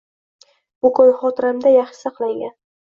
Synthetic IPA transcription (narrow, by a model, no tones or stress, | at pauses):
bʊkɒjχɒt̪ɾamd̪ajɑχʃɪ̥sɑqlˠaŋɡʲan